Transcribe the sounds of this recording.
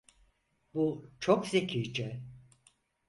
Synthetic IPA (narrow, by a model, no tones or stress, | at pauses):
but͡ʃʰokzecʰiɾd͡ʒɛ